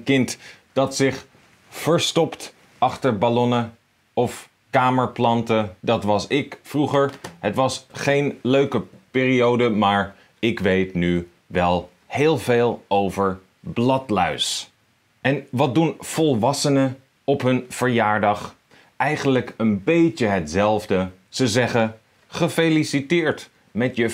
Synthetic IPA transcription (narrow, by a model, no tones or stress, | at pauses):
kɪnt | d̥ɑtsɪχ | fəɹstɔpt | ɑχtəɹbalɔnə | ɔf | kaːməɹplɑntədɑtʋɑsɪkfruχəɹɦətʋɑsχejnløɥkəpɪːriowdəmaːɹ | ɪkʋejtny | ʋɛlˠ | heːlˠveːlˠowvəɹ | blɑtlœɥs | ɛnʋɑt̚dunv̥ɔlˠʋɑsənə | ɔpɦɵnv̥əɹjaːɹdɑχ | ɛjχənləkənbejcəɦətzɛlˠvdə | z̥əzɛχə | χəfejlisitɪːɹt | mɛtjə